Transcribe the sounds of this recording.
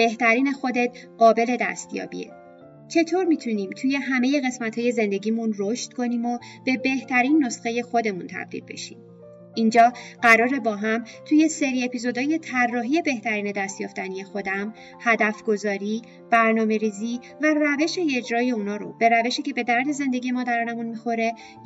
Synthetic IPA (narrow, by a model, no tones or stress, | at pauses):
b̥e̞ht̪ʰæɾiːne̞xo̞d̪e̞t̪̚ | ɢ̥ɒːbe̞le̞d̪æ̰st̪jɒ̰ːbḭḛ | t͡ʃʰe̞t̪ʰoɾmiːt̪ʰuniːmt̪ʰuːje̞ɦæme̞je̞ɣe̞smæt̪hɒːje̞ze̞nd̪e̞ɟiːmunroʃt̪kʰo̞niːmo̞b̥e̞be̞ht̪ʰæɾiːnːo̞sxe̞je̞xo̞d̪e̞munt̪ʰæ̰b̥̚d̪ḭlbe̞̰ʃḭːm | ʔind͡ʒɒːɢæɾɒːɾe̞bɒːɦæmt̪ʰuːje̞se̞ɾie̞pizo̞d̪ɒːje̞t̪ʰærːɒːɦiːje̞be̞ht̪æɾiːne̞d̪æst̪jɒːft̪ænije̞xo̞d̪æm | hæd̪æfɡ̥o̞zɒːɾiː | b̥æɾnɒːme̞ɾiːziː | væræve̞ʃe̞ed͡ʒɾɒːje̞uːnɒːɾo̰b̥e̞ɾæve̞ʃiːce̞be̞d̪æɾd̪e̞ze̞nd̪e̞ɟije̞mɒːd̪æɾɒːnemunmixo̞ɾe̞